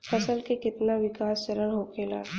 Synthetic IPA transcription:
fʰɐsəlkekɪt̪naʋɪkaːst͡ʃəɾənɦoːkʰeːla̰ː

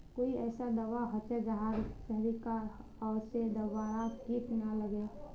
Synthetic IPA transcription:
koiɛsad̪əʋaɦot͡ʃɛd͡ʒaɦad͡ʒt͡ʃəɦɾika | ɔːɾsed̪əʋaɾakipinaləɡe

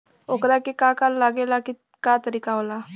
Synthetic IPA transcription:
okɾakikakalːaɡelaki | kat̪əɾiːkaʋla

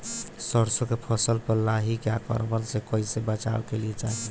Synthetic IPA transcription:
səɾsokepʰəsəlpəɾlaɦikjakə̰ɾbəlsekɔisebət͡ʃa̰bkeliet͡ʃaɦ

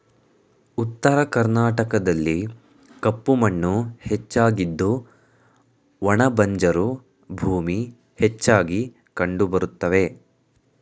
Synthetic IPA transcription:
ut̪ːɐɾɐkɐɾnaːʈɐkɐd̪ɐlːi | kɐpːumɐɳːuhet͡ʃːaːɡid̪ːu | ʋɐɳɐbɐɲd͡ʒɐɾu | bʱuːmi | het͡ʃːaːɡi | kɐɳɖubɐɾut̪ːɐʋe̞

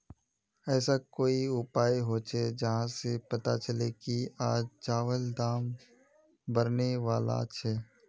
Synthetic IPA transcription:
ɛːsakoːiʊpaːjɦoːt͡ʃʰed͡ʒɐɦãsepɐt̪a̰t͡ʃɐlekiaːd͡ʒd͡ʒaːʋəld̪aːm | bɐɾneʋaːla̰t͡ʃʰɛː

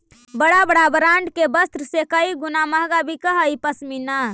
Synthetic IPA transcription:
bəɽabəɽabəɾaɳɖkebəst̪ɾəsekəiɡunaməɦɡabʱikəɦəipəsmina

